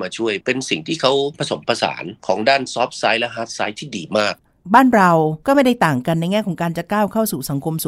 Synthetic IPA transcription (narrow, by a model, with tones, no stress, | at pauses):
maː˧t͡ɕʰu˥˩əjpe˧nsi˨˩ŋt̪ʰiː˥˩kʰa˦˥wpʰa˧so˩˦mpʰa˧sa̰ː˩˦nkʰɔː˩˦ŋdaː˥˩nsɔː˦˥p̚saː˦˥jlɛ˦˥ɦaː˦˥t̪̚sa̰ː˦˥jt̪ʰiː˥˩diː˧˩maː˥˩k̚ | baː˥˩nɾa˧wkɔː˥˩ma˥˩jda˥˩t̪aː˨˩ŋka˧nː˧jŋɛː˥˩kʰɔ˩˦ŋkaː˧nt͡ɕa˨˩kaː˥˩wkʰa˥˩wsuː˨˩sa˩˦ŋkʰo˧msuː˨˦